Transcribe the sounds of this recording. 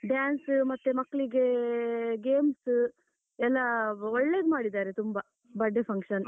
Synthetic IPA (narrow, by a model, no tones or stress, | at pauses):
ɖjaːnsmɐt̪ːemɐkːɭiɡe | ɡeːms | ɛlːɐɔɭːeːd̪maːɽid̪aːɾet̪umbɐ | bɐɖːepʰɐŋkʂɐn